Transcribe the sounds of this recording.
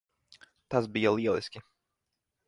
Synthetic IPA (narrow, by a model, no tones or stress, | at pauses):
t̪asbijalˠiɛlˠisʲkʲi